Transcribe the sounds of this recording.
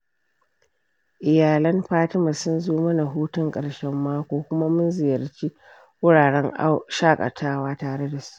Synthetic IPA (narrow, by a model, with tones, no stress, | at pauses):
ʔɪ˨jaː˨lɐ˦mɸaː˦tɪ˦ma˨sʊ˦nzoː˦mɐ˦na˨ɦuː˦tʊ˦ŋkʼɐ˨ɽʃɛ˦mːaː˦kʷoː˦kʷʊ˦ma˦mʊ˦nzɪ˨jɐ˨rt͡ʃi˦ | wʊ˦ɽaː˨ɽɛ˦ŋ˦ʃaː˦kʼɐ̰˨tʰaː˦waː˦taː˨ɽe˦da˨su̥˦ʔ